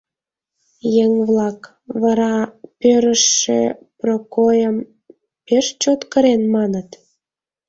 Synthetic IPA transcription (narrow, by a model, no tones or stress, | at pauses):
jeŋβlɑk | βɑɾɑpøɾəʃːḛprokojəm | peʃt͡ɕot̪kəɾenmɑnət̪